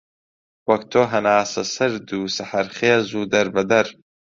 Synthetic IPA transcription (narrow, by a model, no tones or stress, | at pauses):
wɐk̚t̪ʰoːɦɐnaːsɐsɐɾd̪uːsɐħɐɾχeːzuːd̪ɐɾbɐd̪ɐɾ